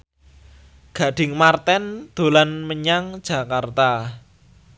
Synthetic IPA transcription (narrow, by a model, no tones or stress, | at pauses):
ɡ̥ä̤ɖ̥ɪ̤ŋmart̪ɛnd̪̥o̤lanməɲaŋ̥ʒ̥ä̤kart̪a